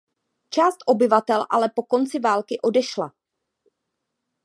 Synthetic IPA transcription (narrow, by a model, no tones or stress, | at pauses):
t͡ʃaːst̪ʔo̞bɪvat̪ɛlʔa̰lɛpo̞ko̞nt͡sɪvaːlkɪʔo̞dɛʃla̰